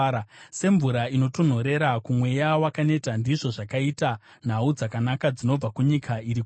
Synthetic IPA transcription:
se̞ɱvuɾaino̞to̞n̤oɾe̞ɾakumwe̞jawakane̞tandiʐo̞ʐakaita | n̤aud͡zakanakad͡zino̞b͡vakuɲikʰaiɾik

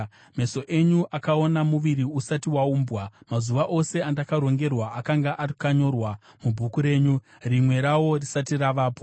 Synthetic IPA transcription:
me̞so̞ʔe̞ɲuʔakao̞namuʋiɾiusatiwauːmbwamazuʋaʔo̞se̞andakaɾo̞ŋɡe̞rwaakaŋɡaʔarkaɲo̞rwa | mubʱukuɾe̞ːɲu | rimwe̞ɾawo̞risatiraʋaːpo

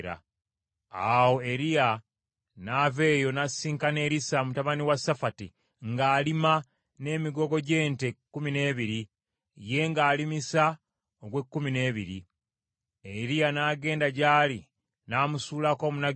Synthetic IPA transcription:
ɾa̰ | awo̞eɾia | naːve̞ːjo̞nasiːŋkane̞ːɾisamutaβaniwasafati | ŋɡaːlima | ne̞ːmiɡo̞ɡo̞ɟe̞ːntekːumine̞ːβiɾi | je̞ŋɡaːlimisa | oɡwe̞kːumine̞ːβiɾḭ | eɾianaːɡe̞ːndaɟaːli | naːmusuːlako̞ːmuna

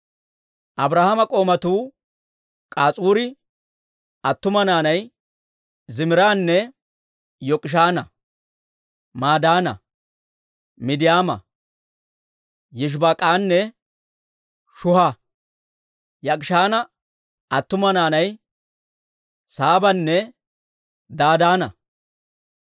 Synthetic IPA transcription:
ʔɐbɾaːhɐmɐkʼo̞ːmɐt̪uː | kʼaːt͡sʼuːɾɪ | ɐt̪ːʊmɐnaːnɐj | zɪmɪɾaːnːɛ | jɔkʼɪʃ̬aːnɐ | maːd̪aːnɐ̰ | mɪd̪ɪjaːmɐ̰ | jɪʃ̬bakʼaːnːɛ | ʃʊha | jɐkʼɪʃaːnɐ | ɐt̪ːʊmɐnaːnɐj | saːbɐnːɛ | d̪aːd̪aːnɐ̰

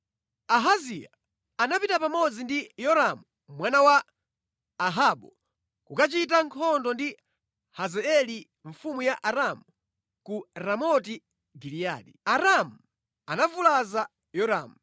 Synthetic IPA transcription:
aɦazia | anapitapamɔd͡zindijɔɾamu | mwanawaː | ɦaɓɔ̰ | kukat͡ʃitaŋkʰɔndɔndi | hazɛɛli | ɱfumujaʔaɾamu | kuɾamɔti | ɡilija̰ːɗiaɾamu | anavulaza | jɔɾa̰ːmu

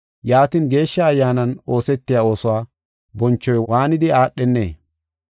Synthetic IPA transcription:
jaːt̪inɡe̞ːʃːɐːjːaːnɐno̞ːsɛt̪ːɪjaːo̞ːsʊwaː | bɔnt͡ʃːɔjwaːnɪd̪ɪaːɗːɛnːḛː

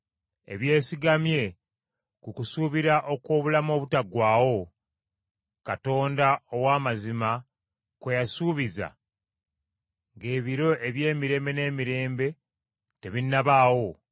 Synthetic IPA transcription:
e̞̰βje̞ːsiɡamje̞ | kukusuːβiɾaʔo̞kwo̞ːβulamo̞ːβutaɡwaːwo̞ | kato̞ːndaowaːmazima | kwejasuːβiza̰ | ŋɡe̞ːβiɾo̞ʔe̞βje̞ːmiɾe̞ːmbe̞ne̞ːmiɾe̞ːmbe̞ | te̞βinːaβaːwo̞

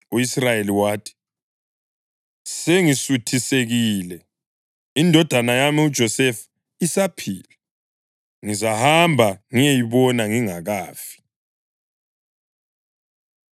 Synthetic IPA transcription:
uisrajeliwaːtʰi̥ | seŋisutʰiseɣiːlɛ | indʱɔd̥ʱanajamiud̥ʒ̥ʱɔsɛf | isapʰiːlɛ | ŋizahambʱaŋijejiβɔnaŋiŋaɣaːfi̥

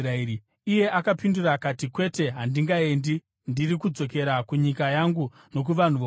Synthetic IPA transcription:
ai | ije̞ʔakapinduraːkatikwe̞te̞ɦandiŋɡae̞ndi | ndiɾikud͡zo̞ke̞ɾakuɲikajaŋɡu | no̞k̬uʋan̤uʋo

